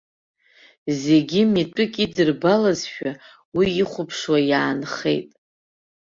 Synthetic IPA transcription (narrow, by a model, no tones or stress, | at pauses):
ze̞ɡʲimitʼɨkʼidɨrbalazʃᶣa | wiːχʷʊpʰʂwajaːnχe̞̰jtʼ